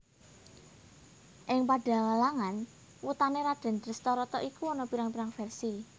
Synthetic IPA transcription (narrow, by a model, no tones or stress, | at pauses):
ʔɪŋpaɖ̥ä̤ŋəlaŋan | wut̪aneɾaɖ̥a̤nd̪ɾəst̪ɔɾɔt̪ɔʔikuɔnɔpiɾaŋpiɾaŋfɛrsi